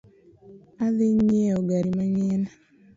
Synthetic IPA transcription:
aðɪɲeoɡaɾimaɲɛna

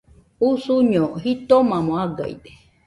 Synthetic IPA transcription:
usuɲoɦit̪omãmõaɡa̰ḭd̪e̥

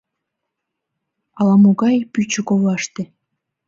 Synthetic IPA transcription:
ɑlˠɑmuɡɑjpyt͡ɕɘ̆koβɑʃt̪ĕ

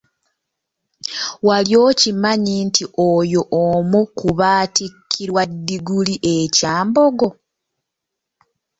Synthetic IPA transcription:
waljo̞ːcimaɲintʰiʔojoʔomukuβaːtikʰːiɾwadːiɡuliʔecaːmbo̞ɡo̞

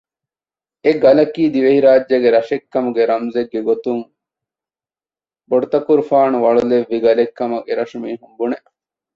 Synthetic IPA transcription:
eɡɐlɐkiːd̪iʋehiɾaːd͡ʒːɐɡeɾɐʃekːɐmuɡeɾɐmzeɡːeɡot̪uŋ | boɖut̪ɐkuɾufaːnuʋɐɭuleʋːiɡɐlekːɐmɐkeɾɐʃumiːɦumbuneʔ

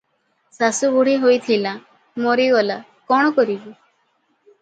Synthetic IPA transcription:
sasubuɽ̤iɦojt̪ʰila | moɾiɡɔla | kɔɽ̃ɔkɔɾibi

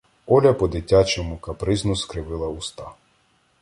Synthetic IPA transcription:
ɔlʲɐpɔd̪ɪtʲːat͡ʃɔmʊkɐpɾɪznʊskɾɪʋɪlˠɐʊst̪ɑ

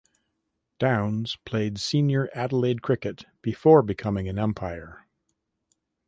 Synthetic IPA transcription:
d̥ãʊ̃nz̥pʰl̥eɪdsĩnjə˞ʔæɾl̩eɪd̚kʰɹ̥ɪkɨt̚b̥ɨfɔɹbɨkʰʌmɪ̃ŋɨ̃nɛ̃mpʰaɪə˞

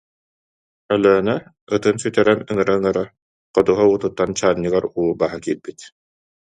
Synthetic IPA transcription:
œlœːna | ɯt̪ɯnsyt̪ɛɾɛmɯŋɯɾaɯŋɯɾa | qɔd̪uɦaut̪ut̪ːant͡ɕaːɲːɯɡaɾuːbaːɦakilb̥it̪

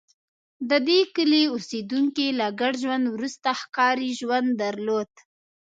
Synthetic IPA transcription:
d̪əd̪ekəleused̪uŋkelaɡaɽʒwand̪wɾust̪axkɑɾiʒwand̪ːaɾlod̪̥

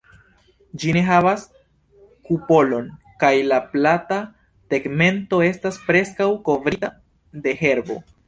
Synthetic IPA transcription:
d͡ʒine̞ɦavas | kupo̞lo̞n | kajlaplata | te̞ɡme̞nto̞e̞staspɾe̞skawko̞vɾia | de̞ɦe̞ɾbo̞̰

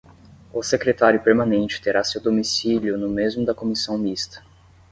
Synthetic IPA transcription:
ʊsekɾet̪aɾjʊpeɾmãnẽnt͡ʃɪ̥t̪eɾasewd̪omisiljʊnʊmezmʊd̪ɐkomisɐ̃w̃mist̪ɐ̥

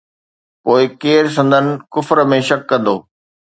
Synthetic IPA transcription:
poːɪkeːɾs̬ɐ̃nd̪ʱənɪ̆kʊfɾəmẽʃɐkːɐ̃nd̪o̰ː

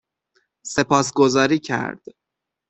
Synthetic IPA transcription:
se̞pʰɒːsɡo̞zɒːɾiːcʰæ̰ɾd̪̥

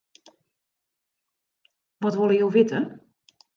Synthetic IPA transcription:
ʋɔtʋolˠəjowʋɪtə

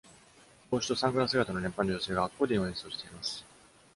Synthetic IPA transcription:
koːɕi̥t̪o̞sãŋɡɯ̟ɾas̬eɡat̪ano̞nempãnːod͡ʑoseːɡaakːoːd̪ejõːɲʲĩsoːɕe̥t̪eimasɨ̥

